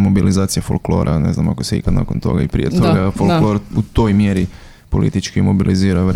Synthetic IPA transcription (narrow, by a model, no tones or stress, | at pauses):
mo̞bilʔizaːt̪sijafolklo̞̰ːɾʔa̰neznamakoseḭkad̪na̰ːko̰nt̪o̞̰ɡaipɾḭjet̪oɡafolˠklo̞ɾut̪o̞ːjmjeɾi | polʔḭt̪it͡ʃkimobilʔiziːɾaʋ